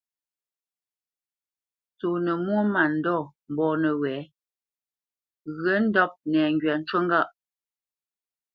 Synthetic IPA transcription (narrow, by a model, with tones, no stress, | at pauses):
t͡so˨nə˨mwo˦ma˨n̩˨dɔː˦˨m˨bɔː˨nə˨wɛː˨˦ | ɣə˨˦n̩˦dɔ˦p̚nɛː˨ŋɡɥa˨n̩˦t͡ʃwə˦ŋɡa˦ʔ